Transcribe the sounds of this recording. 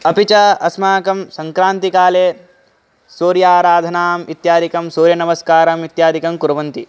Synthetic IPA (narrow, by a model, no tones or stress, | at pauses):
ɐpit͡ʃaːɐsmaːkɐmsɐŋkɾaːnt̪ikaːleː | soːɾjaːɾaːd̪ʱɐnaːmit̪jaːd̪ikɐmsoːɾjɐnɐmɐskaːɾɐmit̪jaːd̪ʱikɐmkuɾɐʋɐnt̪i